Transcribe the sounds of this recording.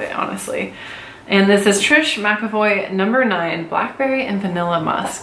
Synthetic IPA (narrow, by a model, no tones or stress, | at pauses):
ɑ̰nɨ̰stˡlḭ | ʔɨ̃nðɪsɨz̥tʰɹ̥ɪʃmækɨvɔɪnʌ̃mbə˞nãɪ̃nblæ̰k̚b̥ɛɹiʔɨ̃nvɨnɪlˠəmʌ̰sk